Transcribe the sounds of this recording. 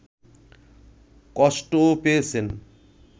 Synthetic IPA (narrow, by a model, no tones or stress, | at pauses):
kɔʃʈopeet͡ɕʰen